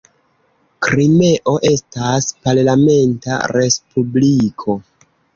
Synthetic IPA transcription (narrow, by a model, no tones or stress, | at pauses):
kɾime̞ʔo̞ʔe̞staspaɾlame̞nta̰ɾe̞spublikʰo̞